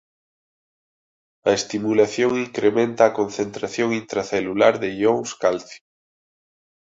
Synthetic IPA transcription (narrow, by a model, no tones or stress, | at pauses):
ɐest̪imulaθjoŋiŋkɾemẽnt̪aːkonθent̪ɾaθjoŋint̪ɾaθelulaɾðeʎoŋskalθjo